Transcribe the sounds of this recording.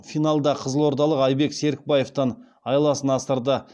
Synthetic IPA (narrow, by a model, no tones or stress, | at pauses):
fijnɑlˠd̪ɑqʰəzəlˠwoɾt̪ɑlˠəqɑjbe̞kse̞ɾɪk̚bɑje̞ft̪ən | ɑjlˠɑsənɑst̪əɾd̪ə